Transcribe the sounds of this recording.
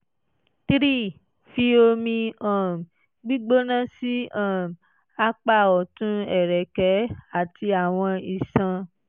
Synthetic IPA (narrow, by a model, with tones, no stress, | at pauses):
tɾi˦˨ | fi˧o˧mĩ˧ã˨m˨ | ɡ͡bi˦ɡ͡bo˦nã˦si˦ã˦˨m | a˨˦k͡pa˦˨ɔ˨tũ˦ɛ˨ɾɛ˨kɛ˨˦a˨ti˧a˨w̃ɔ̃˧i˨sã˧